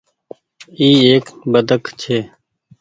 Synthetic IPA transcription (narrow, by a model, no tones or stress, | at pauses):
iːeːkbəd̪əkt͡ʃʰeː